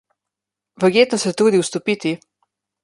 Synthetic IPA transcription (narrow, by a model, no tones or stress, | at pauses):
ʋəɾɡjeːt̪nɔsɛt̪uːd̪iwst̪ɔpit̪i